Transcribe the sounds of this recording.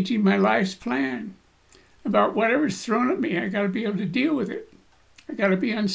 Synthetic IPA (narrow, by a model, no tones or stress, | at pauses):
d͡ʒɪ̃ŋmaɪlaɪfspʰl̥æ̃n | ɨbaʊʔ̚wʌɾɛvə˞z̥θɹõʊ̃nʌv̚miɨ̃naɪɡɑɾɨbieɪbl̩ˠtɨdilˠwɨðɪt̚ | aɪɡɑɾɨbiɨ̃ns